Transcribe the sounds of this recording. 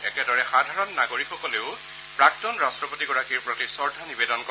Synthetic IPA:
ɛ̰kɛdɔɹɛxadʱaɹɔnːaɡoɹikʰxɔkɔleʊ | pɹak̚tɔnɹastɹɔpotiɡɔɹakiɹpɹotisɔɹdʱanibedɔnk

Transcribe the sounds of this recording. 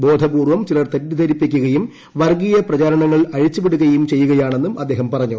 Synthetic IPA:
bo̞ːd̪ʱɐbuːrʋɐmt͡ɕilɐrt̪etːid̪ɐɾipːikʲːuɣɐjum | ʋɐrɡijɐprɐt͡ɕaːɾɐɳɐŋːɐɭɐɻit͡ɕːupiɽuɣɐjumt͡ɕe̞jːuɣɐjaːɳe̞nːumʔɐd̪ːe̞ːɦɐmpɐrɐɲːu

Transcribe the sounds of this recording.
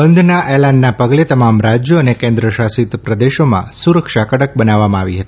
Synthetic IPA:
bənd̪ʱnaʔelaɳɖnapəɡlet̪əmamɾad͡ʒjoənekẽnd̪ɾəʃasit̪pɾəd̪eʃomã̰suɾəkʃakəɽək̚bənaʋːamãaʋiɦət̪ii

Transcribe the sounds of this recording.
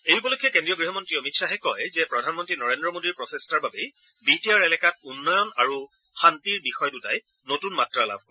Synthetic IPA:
ejupɔlokʰːjɛkendɹijɔɡɹiɦɔmɔntɹiomitsaɦɛkɔjzɛpɹɔdʱanmɔntɹinɔɹendɹɔmodiɹpɹɔsestaɹbabe | bitiaɹɛlɛkat̚unːɔjɔna̰ɹu | xantiɹbixɔjduta̰j | notunmatɹala̰bʱkɔ

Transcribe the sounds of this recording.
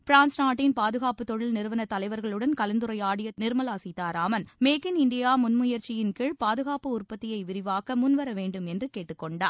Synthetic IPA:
pɾaːnsnaːʈːɪnpaːðɯɣaːpɯt̪ːɔɻɪlnɪɾɯʋɐnɐt̪ːɐlɐɪʋɐɾɣɐɭɯɽɐnkɐlɐnd̪ɯɾɐɪaːɽɪjɐnɪɾɯmɐlaːsɪt̪ːaːɾaːmɐnmeːkɪnɪɳɖɪjaːmʊnmʊjɐɾt͡ʃɪjɪnkɪɻpaːðɯɣaːpɯʊrpɐt̪ːɪjɐɪʋɪɾɪʋaːkɐmʊnʋɐɾɐʋeːɳɖɯmɛndrɯkeːʈːɯkːɔɳɖaː

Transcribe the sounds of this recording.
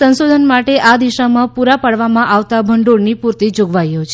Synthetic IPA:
sənsod̪ʱənmaʈeʔad̪iʃamãpuɾapəɽʋamãʔaʋt̪abʱəɳɖoɽnipuɾt̪id͡ʒoɡʋajot͡ʃʰ

